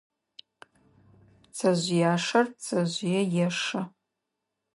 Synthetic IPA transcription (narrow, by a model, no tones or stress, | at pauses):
t͡sʰaʒʷjaːʂɐrt͡sʰaʒʷjajaʂa